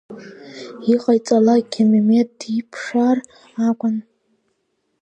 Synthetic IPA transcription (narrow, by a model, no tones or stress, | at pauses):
iqʼajt͡sʼalakʲʰememetdipʰʂar | akʷʼʊn